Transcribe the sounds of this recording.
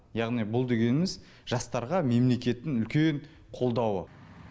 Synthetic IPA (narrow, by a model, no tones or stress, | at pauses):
jɑʁnijbʊlˠd̪e̞ɡʲe̞nɪmɪz | ʒ̥ɑst̪ɑɾʁɑme̞mle̞kʲe̞t̪ːɪŋʏlkʲeɴ | qʰo̞lˠd̪ɑwə̰